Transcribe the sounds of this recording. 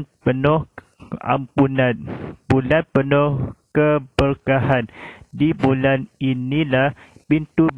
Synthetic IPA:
npənɔh | a̰mpunanbulanpənɔhkəbərkahandibulaninilahpint̪ub

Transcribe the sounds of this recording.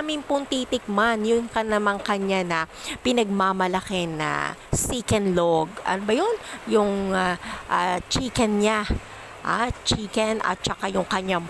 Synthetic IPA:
amɪŋpʊnt̪iːt̪ɪk̚manjʊŋkɐnɐmaŋkɐɲanɐpɪnɐɡ̚mamɐlɐkɪnɐ̰siːkɛnloɡɐ̰nobɐjonjʊŋaʔt͡ʃiːkɛnɲa | ʔa̰t͡ʃiːkɛnɐ̰t̪̚t͡ʃɐkajʊŋkɐɲaŋ

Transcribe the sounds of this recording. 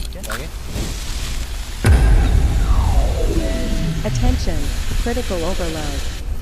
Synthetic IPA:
ɨtʰɛ̃nʃɨ̃nkʰɹ̥ɪɾɨkl̩ˠoʊvə˞laʊd

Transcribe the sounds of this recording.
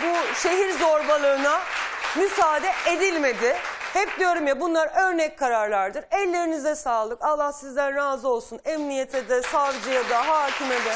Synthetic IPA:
buʃe̞ɦiɾzo̞ɾbalˠɯːnamysaːd̪ɛʔed̪ilʲme̞d̪ɪhɛp̚d̪ijo̞ɾumjabunlˠaɾø̞ɾnɛc̚kʰaɾaɾlˠaɾd̪ɯɾɛlʲːe̞ɾinizɛsaːlˠɯkalˠːahsizd̪ænɾaːzɯo̞lˠsunɛmnijet̪ʰed̪ɛsavd͡ʒɯjad̪aɦaːcʰimed̪ɛ

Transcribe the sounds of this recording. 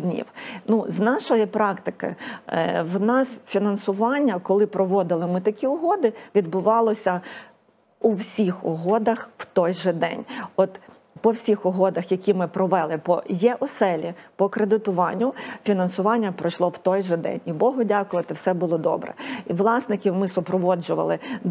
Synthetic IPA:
dʲnʲḭwnuznɑʃɔjɪpɾɑkt̪ɪkɪ̰ | wnɑsfʲinɐnsʊʋɑnʲːɐkɔlˠɪpɾɔʋɔd̪ɪlˠɪmɪt̪ɐkʲiʊɦɔd̪ɪʋʲid̪bʊʋɑlˠɔsʲɐ | uwsʲixɔɦɔd̪ɐxw̥t̪ɔjʒɛd̪ɛ̰nʲɔt̪ | pɔwsʲixɔɦɔd̪ɐxjɐkʲimɪpɾɔʋɛlˠɪpɔjɛʔɔsɛlʲipɔkɾed̪ɪt̪ʊʋɑnʲːʊfʲinɐnsʊʋɑnʲːɐpɾɔʃlˠɔwt̪ɔjʒɛd̪ɛ̰nʲibɔɦʊdʲakʊʋɐt̪ɪwsɛbʊlˠɔd̪ɔ̰bɾɛ̰iʋlˠɑsnɪkʲiwmɪsʊpɾɔʋɔd͡ʒʊʋɐ̰lˠɪ

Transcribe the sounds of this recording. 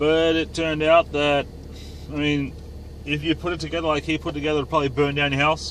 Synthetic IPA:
b̥ʌɾɪtʰɜ̃˞ndaʊt̪̚ðɨɾ̚ | aɪmĩn | ɪfjɨpʰʊɾɨtʰɨɡɛðə˞laɪkhipʰʊɾtɨɡɛðə˞pʰɹ̥ɑblibɜ̃˞ndãʊ̃njɨɦaʊs

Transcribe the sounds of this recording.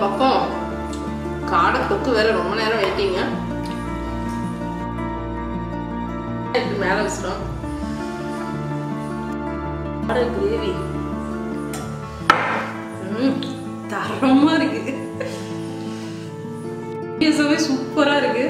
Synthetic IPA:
pɐpːõ | kaːɽɐt̪ɐt̪ːɯʋeːlɐɾɔmbɐneːɾɐ̃ʋɐɪʈːiːŋɡɐ | ɪkːɯmeːlɐ̃ʋɐsɪɾõː | ɽɐɡɾeːʋi | t̪ɐɾɐmaːɪɾɯkːɯð | ɐs̬aʋeːsʊkpːɐɾaːɪɾɯkːɯ

